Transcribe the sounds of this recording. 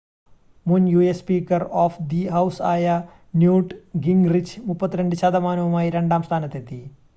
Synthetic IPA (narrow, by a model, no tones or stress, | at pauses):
munjuːespiːkɐɾɔːfd̪iɦɐwsaːjɐ | njuːʈɡiŋɡɾit͡ʃʰmupːɐt̪ːɾeɳɖuʃad̪ɐmaːnɐʋɐmaːjiɾeɳɖaːmst̪ʰaːnɐt̪et̪i